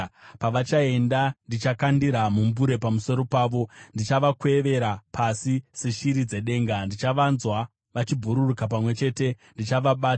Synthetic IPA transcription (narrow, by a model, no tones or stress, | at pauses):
paʋat͡ʃae̞ndandit͡ʃakandiɾamumbuɾe̞pamuso̞ɾo̞paːʋo̞ndit͡ʃaʋakwe̞ʋe̞ɾapʰasiseʃiɾid͡ze̞ɗe̞ːŋɡandit͡ʃaʋanzwa | ʋat͡ʃibʱuɾurukap̬amwe̞t͡ʃe̞te̞ | ndit͡ʃaʋaɓaːt